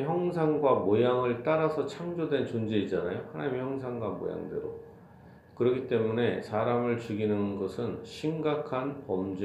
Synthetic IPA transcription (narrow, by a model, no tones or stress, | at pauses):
çjʌŋsʰaŋɡwamojaŋɯɭt͈aɾasʰʌt͡ɕʰaŋd͡ʑodwe̞nt͡ɕond͡ʑe̞id͡ʑana̰johanaɲimiçjʌŋsʰaŋɡwamo̰ja̰ŋdeɾo | kɯɾʌɡit͈e̞mune̞saɾamɯɭt͡ɕuɡinɯnɡʌsʰɯnɕʰimɡakʰanpʌmd͡ʑe